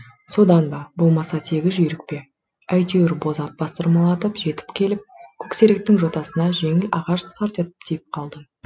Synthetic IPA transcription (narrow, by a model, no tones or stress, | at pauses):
so̞d̪ɑnbɑbo̞lˠmɑsɑt̪ʰe̞ɡʲɪzʒʏjɾɪk̚pe̞ | æjt̪ewɪɾbo̞zɑt̪̚b̥ɑst̪əɾmɑlˠɑt̪əpʒ̥e̞t̪ɪ̥pkʲʰe̞lɪp̚kʲʰɵkse̞ɾek̚t̪ɪŋʒo̞t̪ɑsənɑʒe̞ŋɪlʔɑʁɑʃt̪ɑɾt̪et̪ə̥pt̪ʰijɪp̚qʰɑlˠd̪ə